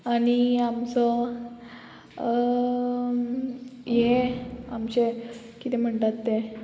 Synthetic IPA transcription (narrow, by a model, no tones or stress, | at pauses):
añiamt͡sɔ | jeamɕe | kit̪ɛm̤əɳt̪at̪ːe